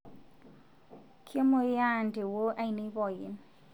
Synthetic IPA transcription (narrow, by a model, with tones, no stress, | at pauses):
kʰje˦mo˨ja˦˨nde˨wo˦ʔa˦i˨ni˦bɔ˨jɪ̰˨n